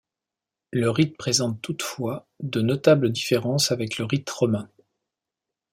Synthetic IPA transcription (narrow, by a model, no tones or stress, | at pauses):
ləʁit̪̚pχezɑ̃t̪ːut̪fwa | d̪ənɔt̪abləd̪ifeʁɑ̃savɛkləʁit̪ʁɔmɛ̃